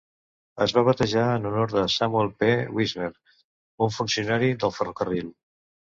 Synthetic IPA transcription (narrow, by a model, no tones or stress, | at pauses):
əzβaβət̪əʒaənunɔɾðəsamuɛlˠpewizneɾ | uɱfunsiunaɾiðəlˠfərokərilˠ